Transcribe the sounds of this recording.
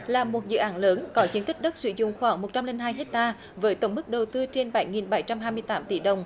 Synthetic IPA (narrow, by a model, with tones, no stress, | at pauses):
laː˨˩mo˨˩t̚zɨ̰˧˨ʔaː˨˦nləː˨˦nkɔ˨˦t͡ɕi˨˦ənt̪i˦˥k̚ɗə˦˥t̚sɨ̰˧˩˦zʊ̰˧˨ŋ͡mxwaː˧˩˦ŋmo˨˩t̚t͡ɕa˧mli˧ŋnɦaː˧jɦe˦˥k̚t̪aː˧ | vəː˨˦jt̪ə˧˩wŋ͡mmɨ˦˥k̚ɗə˨˩wt̪ɨ˧t͡ɕe˧nɓa˧˩jŋi˨˩nɓa˧˩jt͡ɕa˧mɦaː˧jmɨ˧əjt̪aː˨˦mt̪i˧˩ɗə˨˩wŋ͡m